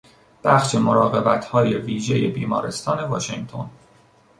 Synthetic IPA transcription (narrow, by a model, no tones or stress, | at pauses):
b̥æxʃe̞mo̞ɾɒːɣe̞bæt̪ʰhɒːje̞viːʒe̞je̞biːmɒ̰ːɾe̞st̪ʰɒːne̞vɒ̰ːʃeŋɡt̪ʰo̞̰n